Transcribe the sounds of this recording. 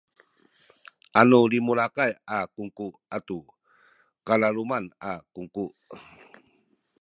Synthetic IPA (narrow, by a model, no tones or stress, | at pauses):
ʔanulimulakajakuŋkuʔatu | kalalumanakuŋkuʔ